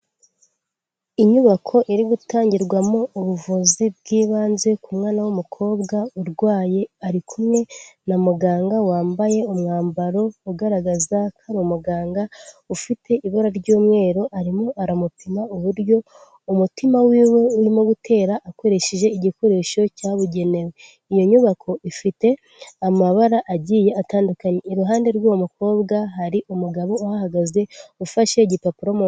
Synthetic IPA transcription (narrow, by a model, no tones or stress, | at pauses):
iɲuβakʰo̞ʔiɾiɡutaːɲɟiɾɡwamouβuvuzib̚ɡiːβaːnze̞kumŋaːnawumukʰo̞ːbɡauɾɡwaːje̞aɾikʰumŋe̞namuɡaːŋɡawaːmbaje̞umŋaːmbaɾo̞uɡaɾaɡazakʰaɾiumuɡaːŋɡaufitʰe̞ʔiβoɾaɾɟuːmŋe̞ːɾo̞ʔaɾimoʔaɾamutimauβuɾjo̞ | umutimawiweuɾimoɡutʰe̞ːɾaʔːko̞ɾe̞ʃeʒe̞iɟiko̞ɾe̞ʃo̞caβuɟe̞ne̞we | ijo̞ɲuβakʰo̞ʔifite̞ | amaβaɾaʔaɟiːje̞ataːndukaɲeiɾuɦaːnde̞ɾɡwomuko̞ːbɡaɦaɾiʔumuɡaβo̞ːhahaɡaze̞ufaʃe̞ɟipapuɾomo